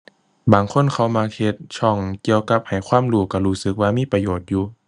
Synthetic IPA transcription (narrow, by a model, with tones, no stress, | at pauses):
baː˨˩ŋkʰo˧˥˨nkʰa˧˩wmaː˧he˧t̪̚t͡ɕʰɔ˧˩ŋki˧əwka˧˥p̚ha˨˩jkʰwaː˧˥˨mluː˧˩ka˧˩huː˧˩sɯ˧˦k̚waː˧miː˧˥˨pa˧joː˨˩t̪̚juː˧